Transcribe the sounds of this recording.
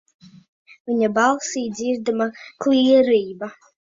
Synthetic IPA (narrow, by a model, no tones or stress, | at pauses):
vʲiɲabɑlˠsiːd̪zʲiɾd̪amaklˠiɛɾiːba